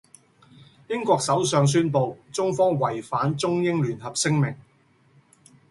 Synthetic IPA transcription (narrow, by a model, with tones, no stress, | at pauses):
jɪ˥ŋkʷɔː˧k̚sɐ˨˥wsœː˨˧ŋs̬yː˥npo˨˧wt͡sʊ˥ŋfɔː˥ŋwɐ˨˩jfaː˨˥nt͡sʊ˥ŋjɪ˥ŋlyː˨˩nɦɐ˨p̚sɪ˥ŋmɪ˨˩ŋ